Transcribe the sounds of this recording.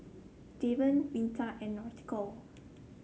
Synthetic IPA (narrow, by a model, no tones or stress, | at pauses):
devə̃nmĩntʰaʔɛ̃nːɔt̪kɔl